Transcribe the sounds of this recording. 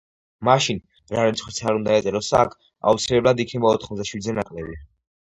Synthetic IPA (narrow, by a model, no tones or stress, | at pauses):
maʃin | ɾaɾit̪sʰʼχwisʰaɾund̪aɛt̪sʼɛɾɔsakʰ | a̰ut̪sʰilɛblˠad̪ik̪ʰɛmɔɔt̪ʰχmɔzd̪aʃwid̪zɛnakʼlɛbi